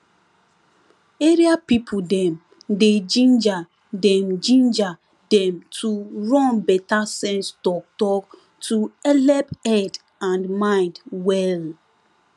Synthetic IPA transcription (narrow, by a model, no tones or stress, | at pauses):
eɹiapipʰudɛ̃m | ded͡ʒĩnd͡ʒa | dɛ̃md͡ʒĩnd͡ʒa | dɛ̃mtʰuɹɔ̃nbɛtasɛ̃nsdɔk̚tɔ | tʰuɛlɛpɛd | ãndmãɪ̃ndwɛl